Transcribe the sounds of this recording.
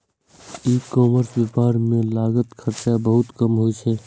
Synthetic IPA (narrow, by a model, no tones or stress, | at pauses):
ikɔːməɾswepaːɾmẽlaːɡət̪kʰəɾt͡ʃabəɦʊt̪kəmɦoit͡ʃʰɛː